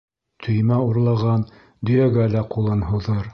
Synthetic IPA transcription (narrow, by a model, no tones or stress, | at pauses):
t̪ʰɵ̆jmæuɾlˠɑʁɑn | d̪ɵ̆jæɡælæqulˠɤnɦŭðɤɾ